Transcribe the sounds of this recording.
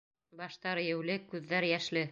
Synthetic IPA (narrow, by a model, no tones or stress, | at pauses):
bɑʃt̪ɑɾɘ̆jɘ̆wlɘkʉðːæɾjæʃlɘ